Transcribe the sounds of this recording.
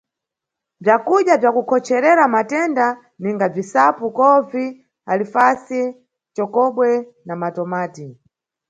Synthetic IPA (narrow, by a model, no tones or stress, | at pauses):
b͡ʐjakuɗjab͡ʐjakukʰɔt͡ʃʰɛɾɛɾamatɛnda | niŋɡab͡ʐisapukɔvi | alifasi | t͡ʃɔkɔɓwɛ | namatɔmaːti